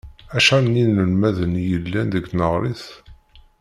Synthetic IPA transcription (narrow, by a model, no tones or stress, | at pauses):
æʃænːinːəlmæðənjəlːænðəɡnəʁɾˤiθ